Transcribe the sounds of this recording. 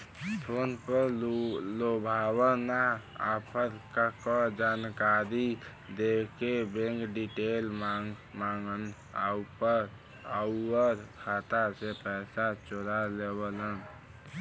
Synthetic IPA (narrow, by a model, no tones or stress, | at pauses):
t̪ʰoːnpəɾlobʱawənaa̰pʰəɾkakɔd͡ʒaːnkaɾi | d̪ekebẽŋkɖiʈelmamaŋɡən | a̰upəɾ | əuəɾkʰaːt̪asepɛsat͡ʃoɾalebələn